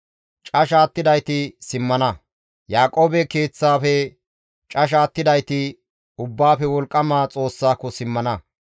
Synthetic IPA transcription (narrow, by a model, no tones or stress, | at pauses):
t͡ʃʼɐʃaːt̪ːɪd̪ɐjt̪ɪsɪmːɐnɐ | jaːkʼo̞ːbɛke̞ːt͡sːaːfɛ | t͡ʃʼɐʃ̬aːt̪ːɪd̪ɐjt̪ɪ | ʊbːaːfɛwɔlkʼːɐmaːt͡sʼo̞ːsːaːkːɔsɪmːɐnɐ